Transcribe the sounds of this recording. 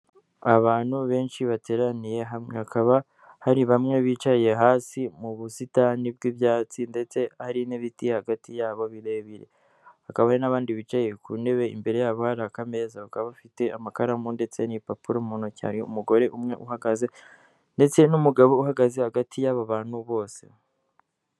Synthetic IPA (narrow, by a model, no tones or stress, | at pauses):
aβaːn̥huβe̞ːnʃiβate̞ːɾanije̞ɦamŋehakaβa | haɾiβamŋe̞βiːt͡ʃaje̞ɦaːsimuβusitanib̚ɡiβjaːt͡sinde̞t͡se̞haɾineβitijehaɡatijaːβo̞βiɾe̞βiɾe̞̰ | hakaβahenaβaːndiβiːt͡ʃaje̞kʰune̞βe̞ḭmbe̞ɾe̞jaːβo̞haɾaːkame̞ːzaβakaβaβfite̞amakaɾamunde̞t͡se̞nipapuɾomunoca̰ɾṵmuɡo̞ɾe̞ʔumŋe̞̰ʔuhaɡaze̞ | nde̞t͡se̞numuɡaβo̞uhaɡaze̞haɡatʰijaβaβaːn̥huβo̞ːse̞̰